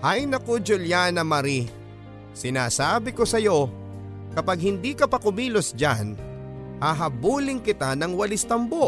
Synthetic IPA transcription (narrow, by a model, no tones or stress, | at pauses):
hɐjnɐkod͡ʒʊljanɐmɐɾi | sɪnaːsaːbɪko̞sɐjo̞ | kɐpaɡ̚hɪnd̪ikɐpɐkʊmiːlosd͡ʒa̰n | haɦɐbuːlɪŋkɪt̪anɐŋwɐlɪst̪ɐmboʔ